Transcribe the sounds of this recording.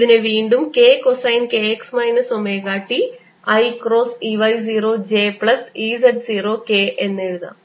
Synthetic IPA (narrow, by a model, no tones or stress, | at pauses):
ðineʋiːɳɖumke̞ːkosɐjnkeːeksmɐjnɨsomeːkaːʈːi | ɐjkro̞ːsiʋɐjziːroːd͡ʑe̞ːpɭɐsizɐɖsiːro̞ːke̞ːʔenːeɻuða̰